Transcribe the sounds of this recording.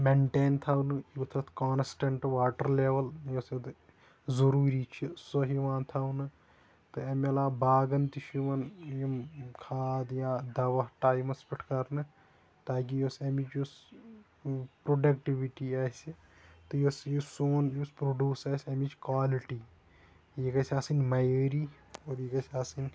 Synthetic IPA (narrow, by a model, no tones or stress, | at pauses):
meɳʈeːnt̪ʰaːwnɨit̪ʰɐt̪ʰkaːnsʈeɳʈʋaːʈɐɾleːʋɐljosd̪ | zɐɾuːɾiːt͡ʃʰisoɦiʋãːnt̪ʰaːnɨ | t̪ɨɐmelaːbaːɡɐnt̪iʃiʋɐnjimkʰaːd̪jãːd̪ɐʋɐʈaːjmɐspiʈʰkɐɾnɨ | t̪aːk̬ijosɐmit͡ʃjus | pɾoɖɐkʈiʋiʈiaːsi | t̪ɨjosjusoːnjuspɾoɖjuːsaːsʲɐmit͡ʃʰkwaːliʈiː | jekɐsʲaːsinmɐjəːɾiː | oːɾjikɐsʲaːsin